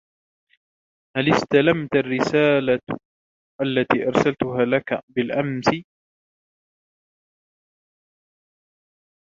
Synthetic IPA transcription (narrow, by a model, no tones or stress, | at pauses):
halɪst̪alamt̪arːɪsaːla | ʔalːat̪iːʔɑɾˤsalt̪ʊɦaːlakabɪlʔamsɪ